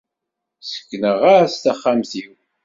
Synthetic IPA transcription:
sə̥kːnəʁaɾst̪aχːamθiw

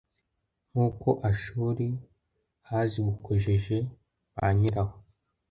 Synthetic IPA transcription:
ŋ̥uːkʰo̞ʔaʃuːɾi | haːziɡukʰoʒe̞ʒe̞ | βa̰ɲiɾaho

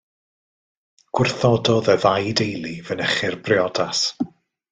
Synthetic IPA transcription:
ɡ̥wɪrθɔdɔðəðajdejlˠivənəχɪrbrɪɔdas

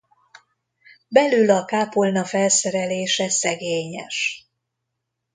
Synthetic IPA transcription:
bɛlylɒkaːpolnɒfɛlsɛɾɛleːʃɛsɛɡeːɲɛ̰ʃ

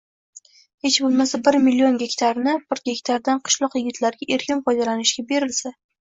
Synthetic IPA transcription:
he̞t͡ʃbolˠmasabɪɾmilːio̞nɡʲekʲt̪ʰaɾnɪbɪɾɡʲe̞kʲt̪ʰaɾd̪anqʰɨ̥ʃlˠɒqjɪɡʲɪt̪ʰlaɾɡʲaʔeɾkʲɪnfɒjd̪alanɪʃɡʲabe̞ɾɪlsa

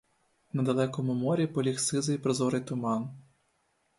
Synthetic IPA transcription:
nɐd̪ɐlˠɛkɔmʊmɔɾʲipɔlʲixsɪzɐjpɾɔzɔɾɪjt̪ʊmɑn

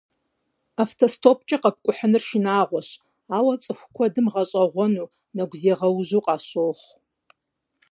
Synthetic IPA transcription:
aftʰostʰop̚ʰʼt͡ʃʼɐqɐp̚kʷʼʊħənɨrʃinaːʁʷɔɕ | aːwɐt͡sʼɨxʷkʷʰɔdɨmʁɐɕʼɐʁʷɔnuː | nɐɡʷzeːʁɐwʒuqʼɑːɕoːχʷ

